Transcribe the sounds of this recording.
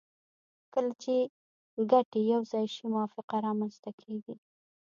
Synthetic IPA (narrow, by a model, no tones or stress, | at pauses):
kəlat͡ʃe | ɡaʈejawzɑjʃimʊwɑfɪqaɾɑmanst̪akʰeɡi